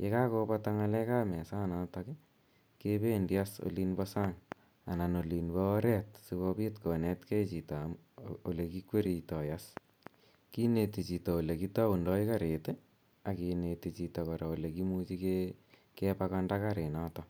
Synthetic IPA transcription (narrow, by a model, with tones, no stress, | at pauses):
je˦ka˦ko˦pataŋa˦lɛ˦ka˦mɛ˨sa˦nataki | ke˦pe˦ndi˦a˦so̰li˦nbɔsa˦ŋ | a˨na˨no˨li˨nbɔ˦ɾɛ˦tsiβɔ˦pi˦tkɔ˨nɛ˦tke˦t͡ʃi˨ta | o˨le˨ki˦kwe˦ɾi˨tɔ˨jas | ki˦ne˨ti˨t͡ʃi˨tɔ˨o˨le˨ki˦ta˦u˨ndɔ˦i˦ka˦ɾe˨te | a˨ki˨neti˨t͡ʃi˨tɔ˨kɔ˨ɾa˨o˨le˨kimuːt͡ʃi˦ke | kepakandakaɾe˨na˦tɔ